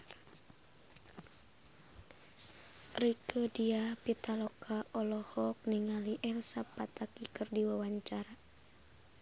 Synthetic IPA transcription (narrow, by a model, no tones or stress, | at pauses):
rikodiapit̪alɔkʰaɔlɔhɔk̚niŋaliʔɛlsapat̪akikɨrdiwawaɲt͡ʃara